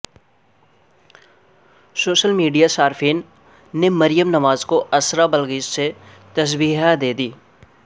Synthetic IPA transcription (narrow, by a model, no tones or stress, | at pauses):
soːʃəlmiːɖijasaːɾfʰiːnː | emɐɾɪjəmnɐmaːzkoʔɐsɾabəlɡiːd͡ʒse | t̪ɐs̬biːɦad̪eːd̪iː